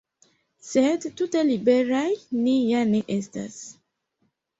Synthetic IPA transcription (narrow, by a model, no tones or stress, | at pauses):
sedtutelibeɾajnijaneʔesta̰s